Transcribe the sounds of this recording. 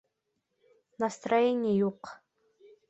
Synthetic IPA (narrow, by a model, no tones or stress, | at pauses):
nɐst̪rɐjenʲɪjəjuq